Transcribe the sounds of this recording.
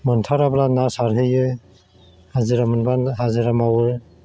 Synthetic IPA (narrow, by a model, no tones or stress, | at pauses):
mɯntʰaɾablanasaɾɦɯjɯ | hazɯɾamɯnbanɦazɯɾamawɯɾ